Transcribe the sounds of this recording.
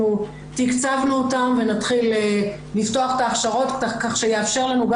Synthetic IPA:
u | t̪ikt͡savnuotamve̞natχile | lifto̞aχe̥taːχʃaʁo̞t̪kakaχʃejeafʃe̞ʁlanuɡ

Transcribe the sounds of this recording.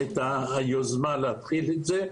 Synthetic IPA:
et̪aajozmaleat̪χilet̪ze

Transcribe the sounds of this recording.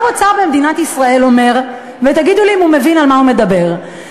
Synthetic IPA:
mot͡saʁbemed̪inat̪isʁae̞lo̞me̞ʁ | vet̪aɡid̪uliimumevinalmahume̞d̪abe̞ʁ

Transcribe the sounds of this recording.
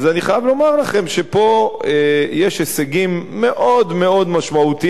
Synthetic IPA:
zaniχajavlo̞maʁlaχe̞mʃepo̞ejeʃeseɡimːe̞ʔo̞d̪me̞o̞d̪maʃmaut̪i

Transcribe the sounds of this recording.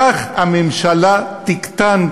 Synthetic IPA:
aχhamemʃalat̪ikt̪an

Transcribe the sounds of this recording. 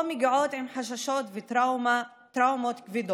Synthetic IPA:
miɡiʕot̪ʕimħaʃ̬aʃot̪veɾawma | t̪ɾawmot̪kvid̪o

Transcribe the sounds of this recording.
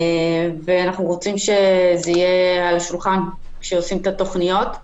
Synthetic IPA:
veanaχnuʁo̞t͡simʃe̞zeijealʃulχan | kʃeosimet̪at̪o̞χnijo̞t̪

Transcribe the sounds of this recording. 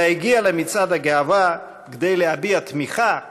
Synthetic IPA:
iɡialemit͡sad̪haɡeava | ɡd̪ejlehabiat̪miχa

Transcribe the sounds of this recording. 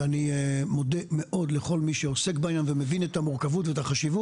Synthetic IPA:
animo̞d̪eme̞ʔo̞d̪le̞χo̞lmiʃeose̞kbaːjanvemevinet̪amuʁkavutveetaχaʃivu

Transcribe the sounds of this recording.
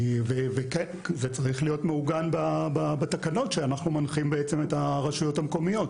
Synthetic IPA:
veveke | zet͡saʁiχlijotmeuɡanbababatakano̞tʃeanaχnumanχimbeet͡seme̞taʁaʃujo̞thamko̞mijo̞t

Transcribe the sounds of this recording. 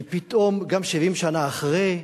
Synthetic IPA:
pit̪ʔo̞mɡamʃivimʃanaːχʁe

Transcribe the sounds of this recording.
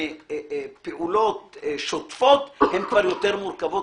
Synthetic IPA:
peʔulo̞t̪̚ʃot̪fot̪hemkvaʁjo̞t̪eʁmuɾkavo

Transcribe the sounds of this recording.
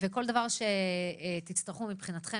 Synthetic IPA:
veko̞ld̪avaʁʃe̞t̪it͡st̪aʁχumipχinat̪χe

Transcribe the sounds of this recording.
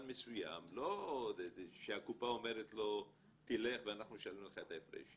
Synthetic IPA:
nmesuja̰mlo | ʃeakupaome̞ʁet̪lo̞ | t̪ile̞χveanaχnuʃalimleχaet̪aefʁḛʃ

